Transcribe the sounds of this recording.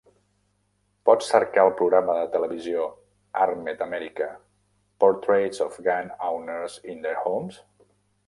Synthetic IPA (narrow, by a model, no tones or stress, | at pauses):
pɔt͡sːəɾkaəlˠpɾuɣɾaməðət̪ələβizio | armet̪əmɛɾikə | pɔɾt̪ɾezɔfɡanawnəɾzind̪əɾhoms